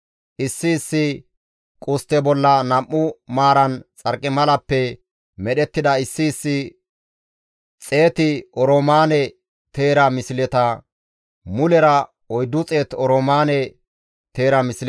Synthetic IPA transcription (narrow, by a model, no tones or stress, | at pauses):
ʔɪsːɪːsːɪ | kʼʊst̪ɛbɔlːɐnɐmːʊmaːɾɐnt͡sʼɐɾkʼːɪmɐlɐpːɛ | mɛɗɛt̪ːɪd̪ɐɪsːɪːsːɪ | t͡sʼe̞ːt̪ɪɔɾomaːnɛ | t̪e̞ːɾɐmɪsɪlɛt̪ɐ | mʊlɛɾɐ | ɔjd̪ːʊt͡sʼe̞ːt̪ɔɾoːmaːnɛ | t̪e̞ːɾɐmɪsɪl